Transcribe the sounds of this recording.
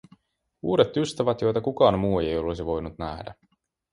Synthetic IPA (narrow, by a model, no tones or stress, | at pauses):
ṵːɾet̪ːyst̪æʋæt̪jo̞jt̪ɑkukɑːnmuːejejo̞lesiʋo̞jnut̪næ̰hdæ̰